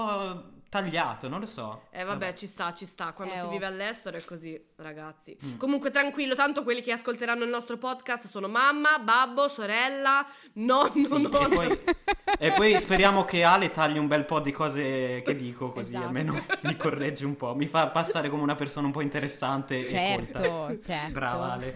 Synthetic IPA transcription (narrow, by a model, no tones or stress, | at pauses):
ɔt̪aʎːaːt̪onõnlosɔ̰ɛvːabːɛt͡ʃist̪at͡ʃist̪akwand̪osiviːvealːɛst̪eɾoɛkːozi | raɡat̪sːikomuŋkwet̪ɾaŋkwilːot̪ant̪okwelːikeaskolt̪eɾanːoilnɔst̪ɾopɔd̪kast̪soːnomamːababːosoɾɛlːa | nɔnnɔpɔj | epːɔjspeɾjaːmok̟eaːlet̪aʎːiumbɛlpɔd̪ikɔːzeked̪ːiːkokozialmːeːnomikorːɛd͡ʒiumpɔmifapːasːaːɾekomeunapersoːnaumpɔint̪eɾesːant̪eeolt̪a | bɾaːvaaːle